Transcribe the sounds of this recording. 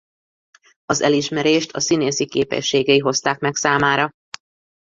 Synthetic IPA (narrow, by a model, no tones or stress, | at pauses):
ɒzɛliʃmɛɾeːʃt̪ʰɒ̰sineːsikeːpɛ̰ʃːeːɡɛiɦo̞st̪aːkmɛksaːmaːɾɒ